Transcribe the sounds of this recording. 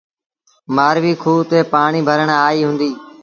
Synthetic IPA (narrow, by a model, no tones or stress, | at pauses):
maːɾʋiːkʰuːt̪eːpaːɳiːbʱəɾəɳaːiːɦʊ̃nd̪iː